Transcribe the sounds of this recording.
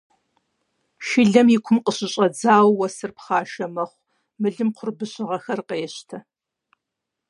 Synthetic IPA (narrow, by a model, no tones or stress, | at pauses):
ʃɪɮɐmjɪkʷʰʊmqʼəɕʼɪɕʼɐd͡zaːwːɐsɨrpχɑːʃɐmɐχʷ | mɨɮɨmqʰʷʊrbɨɕʼɪʁɐxɐrqejɛɕtʰɐ